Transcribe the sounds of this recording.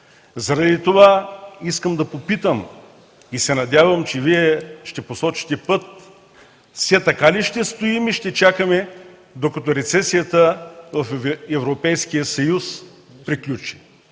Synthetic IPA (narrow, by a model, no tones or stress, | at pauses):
zɐɾɐd̪it̪ovaiskəmd̪ɐpopit̪əm | isɛnɐd̪ʲjavəmt͡ʃɛviɛʃt̪ɛposɔt͡ʃi̥t̪ɛpɤt̪̚ | sɛt̪ɐkaliʃt̪ɛst̪oimiʃt̪ɛt͡ʃakəmɛ | d̪okɐt̪oɾɛt̪sɛsijət̪əvɐfɛvɾopɛjsk̟ijəsɐjus | pɾiklʲut͡ʃi̥